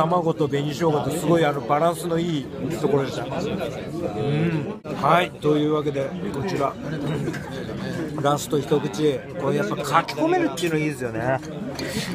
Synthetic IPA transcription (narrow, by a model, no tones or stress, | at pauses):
t̪amaɡo̞t̪o̞bẽ̞ɲʲiɕioːɡat̪osɨɡo̞iano̞baɾãɰ̃sɨno̞iː | t̪o̞ko̞ɾo̞d̪est̪a | ɯ̟̃ɴhait̪o̞jɯ̟ːβak̬e̞d̪e̞ko̞t͡ɕiɾa | ɾãɰ̃sɨ̥t̪o̞çi̥t̪o̞kɯ̟t͡ɕi | konojasakʰakʲi̥ko̞me̞ɾɯt̪ʲːeiɯːnoiːd̪esɨjo̞ne